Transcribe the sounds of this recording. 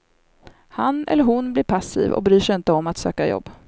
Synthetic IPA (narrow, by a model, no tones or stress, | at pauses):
hanʔɛ̰lːəɾɦʊnblɪːɾpʰasːḭːvɔ̰k̚bɾyːʂɛɪnt̪əɔmːat̪sø̰ːkajɔ̰bː